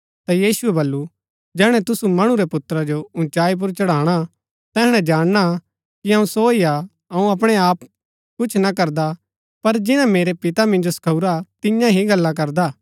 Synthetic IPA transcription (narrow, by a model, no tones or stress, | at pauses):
t̪ajiːsʊɛbɐlːu | d͡ʒɛːɽ̃ɛ̃t̪ʊsumɐɽ̃uɾɛpʊt̪ːɾad͡ʒoʊ̃t͡ʃaːip̬ʊɾt͡ʃɐɽaːɽ̃a | t̪ɛːɽ̃ɛ̃d͡ʒaːɽ̃na | kiɦɐũsoːia | ɐũɐp̬ɽ̃eaːp | kʊt͡ʃʰnakɐɾd̪a | pɐɾd͡ʒɪñãmeːɾepɪt̪amɪ̃nd͡ʒosɐ̥kʰɐuɾat̪ɪjãɦiɡɐlːak̬ɐɾd̪aː